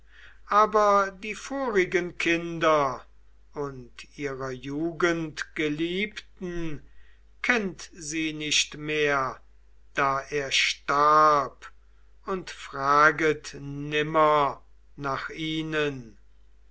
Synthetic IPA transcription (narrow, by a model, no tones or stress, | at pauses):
ʔaːbɐdiːfoːʁɪɡənkʰɪndɐ | ʊntʔiːʁɐjuːɡəntɡ̥əliːptn̩ | kʰɛntziːnɪʃtmeːɐ | d̥aːʔeːɐʃtaɐp | ʊntfʁ̥aːɡətnɪmɐ | naːχʔiːnən